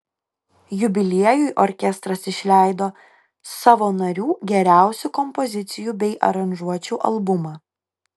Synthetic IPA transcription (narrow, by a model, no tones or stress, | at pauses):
jʊbʲɪlʲiɛjujʔɔɾʲkʲɛst̪ɾɐsɪʃʲlʲæˑɪd̪oː | sɑːʋoːnɐɾʲuːɡʲɛɾʲæˑʊsʲukɔmpɔzʲɪt̪sʲɪjuːbʲɛɪʔɐ̰ɾɐnʲʒuɔt͡ʃʲuːʔɐ̰lˠbʊmɑː